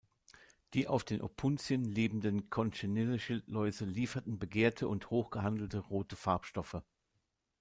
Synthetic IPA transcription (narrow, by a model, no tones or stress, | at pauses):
d̥iːʔa̰ʊfd̥eːnʔo̰pʰʊnt͡sjənleːbm̩dənkʰɔnʃenɪləʃɪltʰlɔʏzəliːfɐtn̩bəɡeːɐtʰəʔʊnthoːxɡ̥əɦandl̩təʁoːtəfaɐpʃtɔfə